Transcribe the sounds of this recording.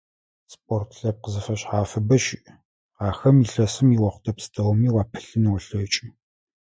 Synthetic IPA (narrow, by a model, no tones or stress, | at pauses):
spʼortʰɬɐp̚qəzɨfɐɕħaːfɨbɐʃɪʔ | aːxɐmiɬɐsɨmiwɐχʷʊtʰɐpsɨ̥tʰɐwmiːwaːpʰɨ̥ɬɨniwɐɬɐwt͡ʃʼi